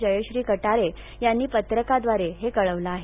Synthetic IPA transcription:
d͡ʑəjoɕɾiːkəʈaɾe | janːiːpət̪ɾəkad̪ʋaɾeɦekəɭəʋlaːɦe

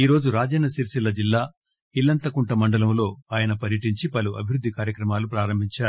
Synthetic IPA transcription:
iːɾo̞ːd͡ʒuɾaːd͡ʒɛːnɐsiɾsilɐd͡ʒilːaː | ilːɐnt̪ɐkuɳʈɐmɐɳɖɐlɐmlo̞ːaːjɐnɐpɐɾjɐʈiɲt͡ʃipɐluʔɐ̰bʱiɾud̪ʱːikaːɾjɐkɾɐmaːlupɾaːɾɐmbʱiɲt͡ʃaːɾu

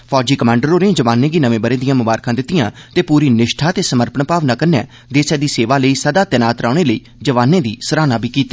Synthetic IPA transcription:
pʰɔːd͡ʒiːkəmãːɳɖəɾoːɾẽːd͡ʒəʋaːnẽːɡiːnəʋẽːbəɾẽːd̪ɪjãːmʊbaːɾkãːd̪ɪt̪ːɪjãːt̪eːpuːɾiːnɪʃʈʰaːt̪eːsəməɾpənpaːʋnãːkəɾnɛː | d̪eːsɛːd̪iːseːʋaːləiːsəd̪aːt̪ɛnaːt̪ɾaːɽ̃eːləiː | d͡ʒəʋaːnẽːd̪iːsəɾaːnãːbʱiːkiːt̪ːḁ

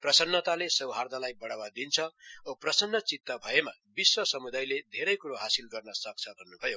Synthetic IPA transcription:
prʌsʌnːʌt̪alesʌwɦard̪ʱalajbʌɽawad̪int͡sʰʌoprʌsʌnːʌt͡sit̪ːʌbʱʌemabiswʌsʌmud̪ajled̪ʱeɾʌjkuɾoɦasilɡʌrnʌsʌk̚t͡sʰʌbʱʌnːubʱʌjo

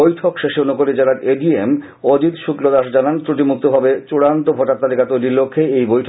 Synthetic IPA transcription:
ojʈʰokʃeʃeonokoɾid͡ʑaɾaɾeɖiem | od͡ʑit̪ʃuklod̪aʃd͡ʑanant̪ɾuʈ̬imuk̚t̪obʱabet͡ɕuɽant̪obʱoʈat̪ːalikat̪ojlilːokʰːeejbojʈʰ

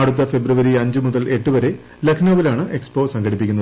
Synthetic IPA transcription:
ɐɽut̪̬ːɐfe̞bruʋɐɾiɐɲd͡ʑɨmuðɐle̞ʈːɨʋɐɾe̞ | lɐkʰnoːʋilaːɳɨʔe̞kspo̞ːsɐŋɡɐɽipːikʲːunːɐð

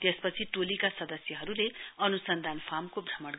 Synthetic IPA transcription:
t̪espʌt͡sʰiʈolikasʌd̪ʌsjʌɦʌɾuleʌnusʌnd̪ʱanpʰamkobʱrʱʌmʌɽ

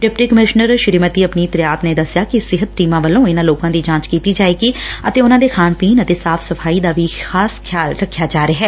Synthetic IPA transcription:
ʈɪp̚ʈikəmɪʃnəɾʃɪɾiːmət̪iːəpniːt̪ɾɪjaːt̪neːd̪əsːjaːkisɪɦət̪ʈiːmãːʋəlːõːɪnãːloːkãːd̪iːd͡ʒãːt͡ʃkiːt̪iːd͡ʒaːeːɡiːət̪eːʊnãːd̪eːkʰaːnpiːnət̪eːsaːfʰsəfʰaːid̪aːʋiːxʰaːskʰjaːlɾəkʰːjaːd͡ʒaːɾeɦɛː

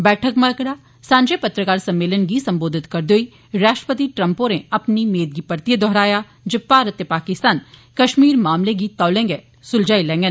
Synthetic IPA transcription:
bɛːʈʰəkməɾkɽaː | sãːɲd͡ʒepɐt̪ɾəkaːɾsɐmːeːlənɡisɐmboːd̪ʱɪt̪kɐɾd̪oːi | ɾaːʃʈɾəpət̪iʈɾə̃mpõɾeɐpnimeːd̪̚ɡipəɾt̪ijed̪ʱɔɦɾaːja | d͡ʒepaːɾət̪ːepaːkɪst̪aːnkɐʃmiːɾmaːmleɡit̪aːlẽːŋɡe | sʊld͡ʒaːilɛ̃ːŋɡən

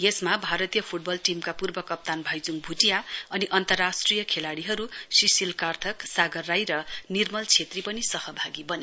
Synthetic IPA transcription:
jesmabʱaɾʌt̪ijʌpʰuʈ̚bʌlʈimkapurbʌkʌp̚t̪anbʱʌjd͡zuŋbʱuʈijaʌniʔʌnt̪ʌrːasʈrijʌkʰelaɽiɦʌɾusisilkart̪ʰʌksaɡʌrːajɾʌnirmʌlt͡sʰet̪ripʌnisʌhʌbʱaɡibʌne

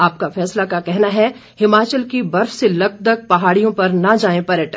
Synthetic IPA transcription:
aːp̚kafɛːslakakɛɦnaɦɛhɪmaːt͡ʃəlkibɐɾfselɐɡ̚d̪əɡ̚pɐɦaːɽijõpɐɾnad͡ʒaːẽpɐɾəʈə

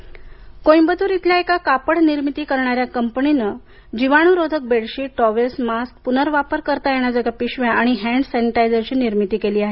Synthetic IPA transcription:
kojbəd̪uːɾit̪ljaekakapəɽniɾmit̪iːkəɾɳaɾjakəmpəninə | d͡ʑiʋaɽ̃uɾod̪ʱək̚beɽɕiːʈɔʋelsmask̚punəɾʋapəɾkəɾt̪ajeɽ̃ad͡zəɡapiɕʋjãʔaɽ̃iɦæ̃ɳɖsɛniʈajd͡zəɾt͡ɕiːniɾmit̪iːkeliːaɦe

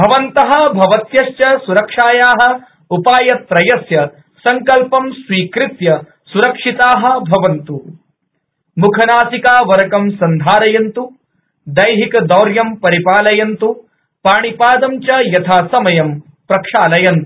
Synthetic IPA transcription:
bʱɐʋɐnt̪ɐɦɐ̆bʱɐʋɐt̪jɐʂjɐsuɾɐkʂaːjaːɦɐ̆ | upaːjɐt̪̚pɾɐjɐsjɐ | sɐŋkɐlpɐmsʋiːkɾɪt̪jɐ | suɾɐkʂit̪aːɦɐ̆bʱɐʋɐnt̪u | mukʰɐnaːsikaːʋɐɾɐkɐmsɐnd̪ʱaːɾɐjɐnt̪u | d̪ɐjɦikɐd̪ɐːɾjɐmpɐɾipaːlɐjɐnt̪u | paːɳipaːd̪ɐmt͡ʃɐjɐt̪ʰaːsɐmɐjɐm | pɾɐkʂaːlɐjɐnt̪u

